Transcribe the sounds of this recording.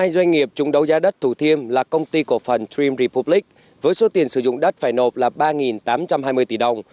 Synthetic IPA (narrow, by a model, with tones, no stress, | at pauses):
aː˧jzwa˧jŋ̟ŋi˨˩əp̚t͡ɕʊ˨˦ŋ͡mɗə˨˦wzaː˨˦ɗə˦˥t̚t̪ʰu˧˩t̪ʰi˧əmlaː˨˩kə˧wŋ͡mt̪i˧ku˧˩əfə˨˩ntɹi˧mɾi˧pu˧˥pli˦˥k̚ | vəː˨˦jso˨˦t̪i˨˩ənsɨ˧˩zʊ̰˧˨ŋ͡mɗə˦˥t̚faː˧˩jno˨˩p̚laː˨˩ɓaː˧ŋi˨˩nt̪aː˨˦mt͡ɕa˧mɦaː˧jmɨ˧əjt̪i˧˩ɗə˧˩wŋ͡m